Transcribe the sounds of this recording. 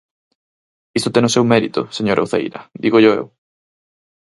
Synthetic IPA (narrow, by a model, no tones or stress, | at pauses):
ist̪ot̪ɛŋʊsewmɛɾit̪ʊ̰seɲoɾʔɐowθḛjɾɐ̰d̪iɣoʎoḛw